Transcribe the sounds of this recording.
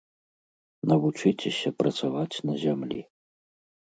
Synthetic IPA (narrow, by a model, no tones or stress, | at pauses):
nɐvut͡ʂɨt͡sʲɛsʲɐpɾɐt̪savat͡sʲnɐzʲamlʲḭ